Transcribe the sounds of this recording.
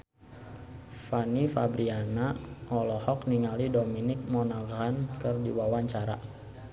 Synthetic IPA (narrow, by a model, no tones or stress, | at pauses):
fanifabɾianaʔɔlɔhɔk̚niŋalidominɪk̚mɔnaɡɾankərdiwawaɲt͡ʃaɾa̰